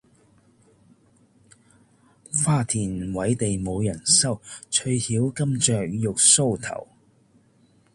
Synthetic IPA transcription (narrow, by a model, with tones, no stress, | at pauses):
faː˥t̪ʰiː˨˩nwɐ˨˥jt̪e˨jmo˨˧wjɐ˨˩nsɐ˥˩wt͡ʃʰɵ˧ɥhiː˨˥wkɐ˥mt͡ʃœː˨k̚jʊ˨k̚so˥˧wt̪ʰɐ̰˨˩w